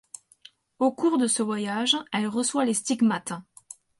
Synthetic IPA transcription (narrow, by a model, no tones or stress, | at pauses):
okuʁd̪əsəvwajaʒɛlʁəswalest̪iɡmat̪